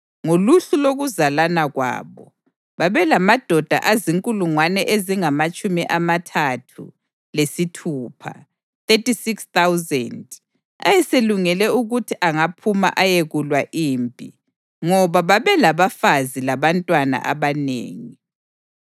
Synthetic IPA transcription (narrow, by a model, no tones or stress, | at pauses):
ŋoluɬuloɣuzalanaɣwa̰ːβɔ | βaβɛlamad̥ʱɔd̥ʱa̰ʔaziŋkʼuluŋwanɛʔeziŋamat͡ʃʼumiʔamatʰatʰṵ | lesitʰuːpʰa̰ | θetisikst̪awzɛ̰nd | a̰jɛseluŋɛlɛuɣutʰiʔaŋapʰuma̰ʔajeɣulwaʔiːmpʼḭ | ŋɔβaβaβɛlaβafazilaβantʼwana̰ʔa̰βanḛːŋi